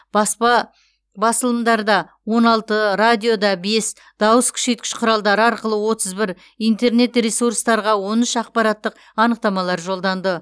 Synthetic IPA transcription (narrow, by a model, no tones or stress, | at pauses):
bɑspɑ | bɑsəlˠəmd̪ɑɾd̪ɑ | wo̞nɑlˠt̪əɾad̪ʲijo̞d̪ɑbe̞s | d̪̥ɑwəskʲʰʏ̥ʃe̞t̪̚kʲɪ̥ʃqʰʊɾɑlˠd̪ɑɾəɑɾqəlˠəwo̞t̪əzbɪɾ | ijnt̪e̞ɾne̞t̪resurst̪ɑɾʁɑwo̞nʏʃɑq̚pɑɾɑt̪ːəq | ɑnəq̚t̪ɑmɑlˠɑɾʒo̞lˠd̪ɑnd̪ə